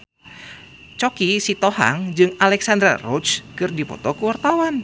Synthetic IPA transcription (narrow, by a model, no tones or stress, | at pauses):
t͡ʃɔkisit̪oha̰ŋd͡ʒɨŋalɛksand̪ɾa̰rɔt͡ʃkɨrdipɔ̰t̪ɔkuwart̪awan